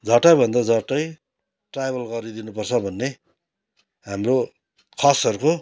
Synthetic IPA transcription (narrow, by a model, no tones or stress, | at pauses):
d͡zʱʌʈʌbʱʌnd̪ʌd͡zʌʈʌj | ʈrajbʱʌlɡʌɾid̪inupʌrt͡sʰʌbʱʌnːe | ɦamro | kʰʌsʌɾuko